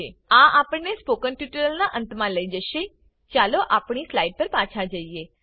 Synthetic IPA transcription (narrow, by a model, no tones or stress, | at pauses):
eãapəɳːespokənʈjuʈəɾəlnaʔə̃nt̪mãləid͡ʒəʃe | t͡ʃaloʔapɳ̃islaiɖ̚pəɾpãt͡ʃʰad͡ʒəie